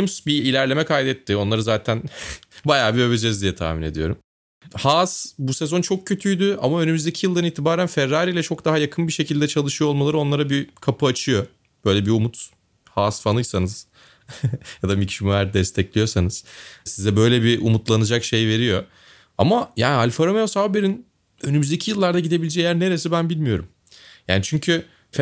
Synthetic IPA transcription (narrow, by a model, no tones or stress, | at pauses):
imsbiːlʲæɾlʲe̞mɛkʰajd̪ɛt̪ʰːɪo̞nlˠaɾɯzaːt̪ʰænbajaːbiøβed͡ʒɛzd̪ijɛt̪ʰa̰ːmine̞d̪ijo̞ɾum | haːsbusɛzo̞nt͡ʃʰo̞kcʰːøt̪ʰyjd̪yamaø̞nymyzd̪ecʰijɯlˠd̪aniːt̪ʰibaːɾænfɛɾːaːɾiːlʲɛt͡ʃʰo̞kd̪aɦajakʰɯnbiʃe̞cʰilʲd̪ɛt͡ʃʰalˠɯʃɯjolˠmalˠaɾɯo̞nlˠaɾabikʰapʰɯat͡ʃʰɯjo̞ | b̥ø̞jlʲɛbiumut̪ | haːsfanˠɯjsanɯz̥ | jad̪amicʃumuæɾd̪ɛst̪ʰɛclʲijo̞sanɯz̥sizɛbø̞jlʲɛbiʔumut̪lˠanɯd͡ʒakʃe̞jve̞ɾijo̞ | a̰majaːnialʲfaɾomeosavbeɾin | ønymyzd̪e̞cʰijɯlˠːaɾd̪aɟid̪e̞bilʲd͡ʒɛjæɾne̞ɾesibænbilʲmijo̞ɾum | ja̰ːnit͡ʃʰyɲcʰy | f